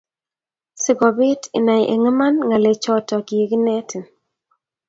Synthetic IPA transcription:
sɪ˦ɡɔ˨bɪ˦tɪ̰˨na˨jʔḛ˨ŋə˦ma˦nŋa˨le˨t͡ʃɔ˦tɔ˨ɡi˨e˨ɡnɛ˦tʰ

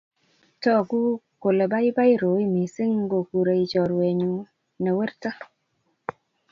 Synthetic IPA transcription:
tɔ˦˨ku˦ko˨le˨ba˦i˦ba˦i˦ɾo˨˦i˦mi˨si˦ŋ˦ɡo˨ku˨ɾe˨i˨t͡ʃɔ˨ɾwe˨ɲu˨ | na˨we˦ɾta˦

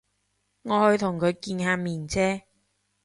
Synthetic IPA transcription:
ŋɔː˨˧hɵ˧ɥt̪ʰʊ˨˩ŋkʰɵ˨˧ɥkiː˧nhaː˧miː˨˩nt͡sʰɛː˥

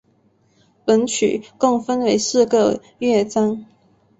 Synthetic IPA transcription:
pə˧˥nt͡ɕʰy̰˨˩kʊ˥˩ŋfə˥nwe˧˥ɪsɹ̩˥˧ɡə˨ | ɥɛ˥˩t͡sɑ˥ŋ

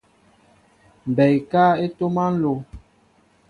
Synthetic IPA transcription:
m̩˨bɛ˨jka˦e˦to˦ma˦n̩˦lo˨

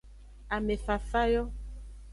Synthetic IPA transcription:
a˨me˨fa˨fa˦jɔ˦

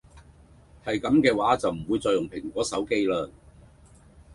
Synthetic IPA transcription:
hɐ˨jkɐ˨˧˥mkɛː˧waː˨˥t͡sɐ˨wm̩˨˩wuː˨˧jt͡sɔː˨˧jʊ˨˩ŋpʰɪ˨˩ŋkʷɔː˨˥sɐ˨˥wke˥jləː˧

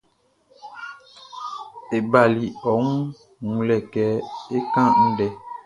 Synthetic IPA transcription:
e˨ba˨li˨ɔ˨˦ŋu˦ | ŋũ˨lɛ˨kɛ˨e˦kã˦n̩˦ɖɛ˦

